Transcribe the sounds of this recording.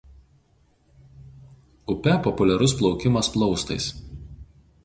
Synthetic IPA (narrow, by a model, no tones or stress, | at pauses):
ʊpʲɛpɔpʊlʲɛɾʊsplˠɒʊkʲɪmɐsplˠɒʊst̪ɐɪs